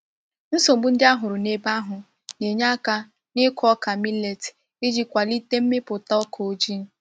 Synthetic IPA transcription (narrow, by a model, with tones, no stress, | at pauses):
n̩˦so˨m̩˨˦bu˦n̩˦dɪ˦a˦ɦʊ˨ɾʊ˨ne˦ba˦ɦʊ˨ | ne˨ɲa˦ka˦ | nɪ˦kʰɔ˦ka˨mi˦le˨t | i˦d͡ʒi˦kʷa˨li˦te˦m̩˦mɪ˦pʊ˨ta˦ɔ˦kʰo˨o˦d͡ʒi˦n̩˦